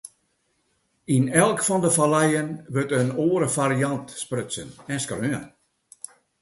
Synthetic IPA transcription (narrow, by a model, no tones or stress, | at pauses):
inɛlˠkfɔndəfalɛjənʋøtənoːəɾəfaɾiɑntsprøsə̰nɛnskrøən